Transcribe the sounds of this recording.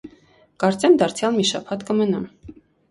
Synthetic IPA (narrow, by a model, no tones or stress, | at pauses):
kɑɾt͡sɛmd̪ɑɾt͡sʰjɑlmiʃɑ̰pʰɑt̪kəmənɑm